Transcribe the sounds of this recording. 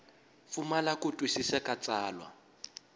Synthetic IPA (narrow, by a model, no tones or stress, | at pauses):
fumalakʼʊtʼwisisakʼat͡sʼaːlwa̰